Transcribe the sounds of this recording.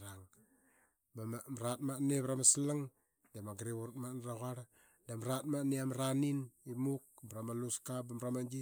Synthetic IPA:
ɾaŋ | baamɾat̚maneβɾamasilaŋ | damaɡɾeβuɾt̚manɾaɣaɾ | damɾat̚maniamɾaninimuk̚bɾamaluskabamɾamad͡ʒi

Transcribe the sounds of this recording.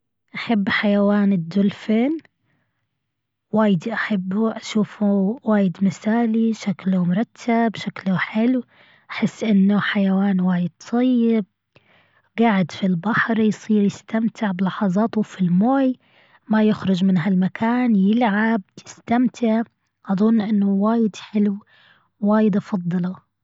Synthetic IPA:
ʔaħabːħajawaːnɪd̪ːʊlfeːn | waːjɪd̪ʔaħabːʔaʃuːfuwaːjɪd̪mɪsaːliʃaklʊmʊɾˤɑt̪ʰːabbʃaklʊħɪlw | ʔaħɪsːʔɪnːʊħajawaːnwaːjɪd̪̚t̪ʰˤɑjːɪb̚ | ɡaʕɪd̪filbɑħɾjsˤiːɾjɪst̪amt̪ɪʕbɪlɑħɑzˤɑːt̪ʊfilmoːj | majɪxɾʊd͡ʒmɪnɦalmakʰaːnjɪlʕab̚jɪst̪amt̪ʰɪʕ | ʔɑðˤʊnːʔɪnːʊwaːjɪd̪ħɪlwː | aːjɪd̪ʔɑfɑd̪ˤːɑlɑ

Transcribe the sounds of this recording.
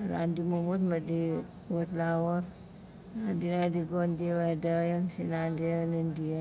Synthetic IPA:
ɾa̰ndimumut̪mədi | wət̪lawɔr | andinaadiɡondiwedajəŋsinandinəndia

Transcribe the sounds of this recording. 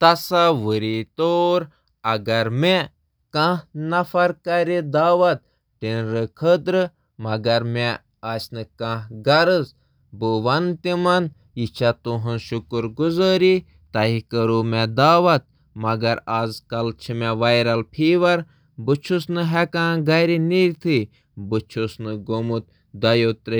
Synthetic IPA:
t̪ɐsaʋəɾit̪oːɾ | ɐɡɐɾme | kãnɐfɐɾkɐɾid̪aːʋɐt̪̚ | ʈinɾɨkʰəd̪ɾɨ | mɐɡɐɾme | aːt͡ʃnɨkãɦɡɐɾɨz | buʋɐnt̪imɐn | jit͡ʃʰat̪uɦɨnʃukuɾɡuzəːɾi | t̪ɐɦikəɾuːmɛd̪aːʋɐt̪̚ | mɐɡɐɾaːzkɐlt͡ʃʰimɛʋɐjɾɐlpʰiːʋɐɾ | bɨt͡ʃʰusnɨɦɛkãːɡɐjɾiniɾʲt̪ʰɨ | bɨt͡ʃʰosnɨɡomut̪ | d̪ɐjoːt̪ɾɐ

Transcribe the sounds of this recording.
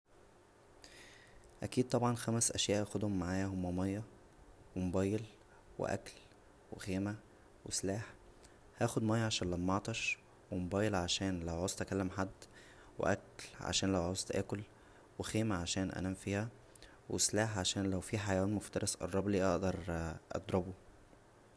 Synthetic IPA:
ʔækiːd̪̚t̪ˤɑbʕɑnxæmæsʔæʃjæːʔæxod̪homːaʕaːjæhomːæmɑjːɑ | wemobæːjːel | wḛʔæ̰kl | wexeːmæ | wḛslaːħ | hæːxod̪mæjːɑʕaʃæːnlæmːɑʕt̪ˤɑʃ | wemobæːjːelʕaʃæːnlæwʕoːsˤt̪ʔækælːemħad̪ː | wḛʔæ̰klʕa̰ʃæːnlæwʕosˤt̪ʔæ̰ːkol | wexeːmæʕaʃæːnʔæ̰næːmfiːhæ | wḛslaːħʕaʃæːnlæwfiːħajæwæːnmoft̪ɑɾɑsʔɑ̰ɾˤɑbliːʔɑʔd̪ɑɾˤʔɑ̰d̪ˤɾˤɑbo

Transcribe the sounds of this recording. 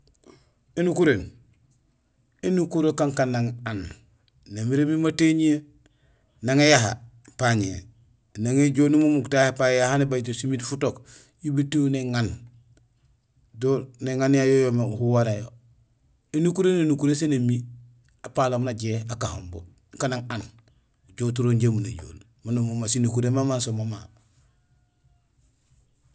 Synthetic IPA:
inukuɾen | enukuɾokaŋkanːaŋan | namiɾemimateɲie | naŋejaɦa̰ | paɲḛ | naŋeɟonimumuktahepajahanebatosimitfutok | jibitiwneŋan | doneŋanjajojomehuwaɾajo̰ | inukuɾenenukuɾesenemi | apalomnaɟeakahombo̰ | kanaŋan | ɟotuɾoɲɟamunajo̰ːl | manumumasinukuɾemamansomoma

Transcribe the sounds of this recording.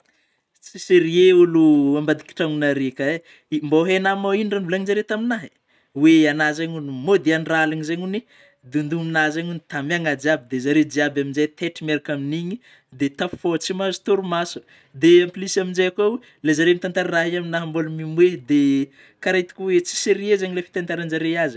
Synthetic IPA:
t͡siseɾieuluambad̪iki̥ʈ͡ʂaŋunaɾekae | mboɦenamainɖ͡ʐanvulaɲizaɾet̪aminaɦi̥ | weanazaɲunimod̪eaniralaɲizaɲuni | d̪und̪uminazaɲunt̪amaŋad͡ʒiabid̪ezaɾed͡ʒiabaminzajt̪eʈ͡ʂimeɾakaminiɲi | d̪et̪afi̥fot͡simazi̥t̪oɾumasu | d̪eampilisaminzajaka | lezaɾemit̪ant̪aɾaɾaɦiaminaɦambolumimwed̪e | kaɾait̪i̥kʲuwet͡si̥seɾiezaɲilefi̥t̪ant̪aɾand͡ʒaɾejazi̥

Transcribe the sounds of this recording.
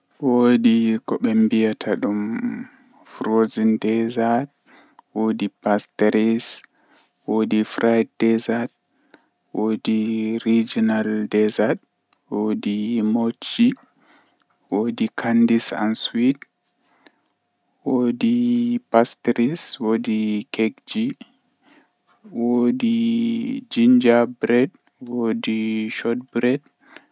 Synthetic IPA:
wodikɔɓɛmbijatʰaɗum | fɾozindɛzad̚ | wodipasteɾis | wodifɾajd̚dɛzad | wodiɾid͡ʒinaldɛzad | wodimot͡ʃːi | wodikʰandisa̰nswit | wodipastɾiswodikʰeɡd͡ʒi | wodi | d͡ʒiɲd͡ʒabɾɛd | wodiʃɔt̚bɾɛd̚

